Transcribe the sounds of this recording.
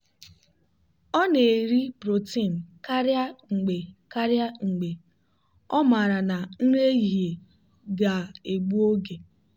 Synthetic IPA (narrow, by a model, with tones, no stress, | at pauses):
ɔ˦ne˨ɾi˦bɾo˨ti˦˨n̩˨ka˦ɾja˦ŋ͡m̩˨ɡ͡be˨ka˦ɾja˦ŋ͡m̩˨ɡ͡be˨ | ɔ˦ma˨ɾa˨na˨n̩˦ɾe˦ɣi˨ɦe˨ | ɡa˨e˨ɡ͡bu˦o˦ɡe˨